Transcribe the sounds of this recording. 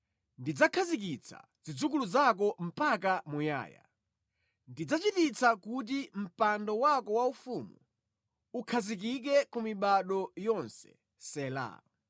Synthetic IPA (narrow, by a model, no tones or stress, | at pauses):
ndid͡zakʰazik̬it͡sʰa̰zid͡zukuluzakɔm̩pakamuja̰ːja̰ | ndid͡zat͡ʃitit͡sakut̬im̩pandɔwakɔwaufumu | ukʰazik̬ik̬ɛkumiɓaɗɔjɔnsɛ̥̰ | sɛla̰